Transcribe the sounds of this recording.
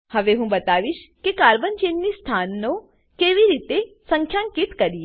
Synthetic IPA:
həʋeɦũbət̪aʋiʃkekaɾbənd͡ʒenːist̪ʰanːõ | keʋiɾit̪esə̃ŋkʰjãŋkit̪kəɾi

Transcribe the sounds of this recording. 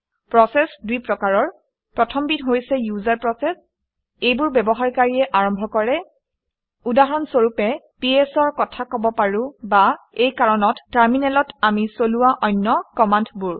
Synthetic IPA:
pɹɔsɛsdujpɹɔkaɹɔɹ | pɹɔtʰɔmbitɦojsɛjuzaɹpɹɔsɛs | ejbʊɹbɛbɔɦaɹkaɹiɛʔaɹɔmbʱɔkɔɹɛ | udaɦɔnsoɹupɛ | piesɔɹkɔtʰakɔbɔpaɹʊ̃ba | ejkaɹɔnɔtːaɹminɛlɔtamisoluwaʔɔjnːɔkɔmantʰbʊɹ

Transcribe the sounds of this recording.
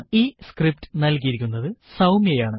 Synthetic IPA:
iːskrip̚tɨ̥nɐlk̬ijiɾikʲːunːɐðɨsɐwmjejaːɳɨ

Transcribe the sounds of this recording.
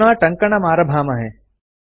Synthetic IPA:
ɽ̃ãːʈɐ̃ŋkɐɳ̃ɐmaːɾɐbʱaːmɐɦeː

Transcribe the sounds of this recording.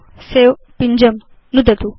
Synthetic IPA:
seːw | piɲd͡ʑɐm | nud̪ɐt̪u

